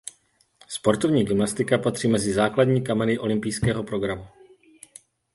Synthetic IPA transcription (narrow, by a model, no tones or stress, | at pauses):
spo̞ɾt̪o̞vɲiːɡɪmnast̪ɪkapat̪r̥iːmɛzɪzaːkladɲiːkamɛnɪʔo̞lɪmpijskɛːɦo̞pɾo̞ɡɾamu